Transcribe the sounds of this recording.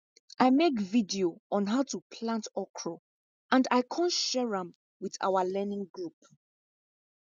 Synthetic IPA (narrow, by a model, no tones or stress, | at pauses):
ʔaɪmekvidioɔ̃nɦaʊtupʰlãntɔkʰɹɔ | ʔãndaɪkʰɔ̃ntʃɛɹə̃m | wiða̰ʊəlɛnɪ̃ŋɡɹup